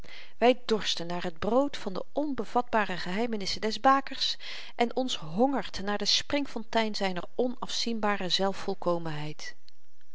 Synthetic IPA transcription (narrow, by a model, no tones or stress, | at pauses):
ʋɛjdɔɹstənːaːɹɦəd̚browtfɑndə̰ɔnbəv̥ɑd̚baːrəχəɦɛjmənɪsədɛzbaːkəɹs | ʔɛnʔɔns | ɦɔŋəɹtnaːɹdəsprɪŋfɔntɛjnzɛjnə̰ɹɔnɑfsinbaːrəzɛlˠfːɔlˠkowmənɦɛjt